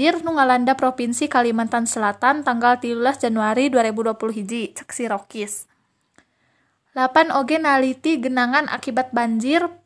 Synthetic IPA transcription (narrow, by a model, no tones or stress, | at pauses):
ɪrnuŋalandapɾɔpinsikalimant̪ansəlat̪ant̪aŋɡalt̪ilulasd͡ʒanuaɾiduaɾɛbuduapuluɦid͡ʒit͡ʃə̥ksiɾɔkɪs | lapanoɡɛnalit̪iɡənaŋanʔa̰kibat̪̚baɲd͡ʒɪr